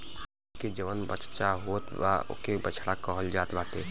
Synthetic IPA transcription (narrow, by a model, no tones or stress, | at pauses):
h | ked͡ʒəʋənbə̰t͡ʃt͡ʃaɦot̪ʋa̰o̰kebət͡ʃʰɽakəɦəld͡ʒaːt̪baːt̪e